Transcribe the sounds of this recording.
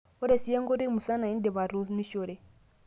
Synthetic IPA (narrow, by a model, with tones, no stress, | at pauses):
o˦ɾe˨si˦je˦ŋɡo˦ɾi˦mu˨sa˦na˨i˦nde˨βa˨ɾu˦ni˦ʃo˨ɾe˨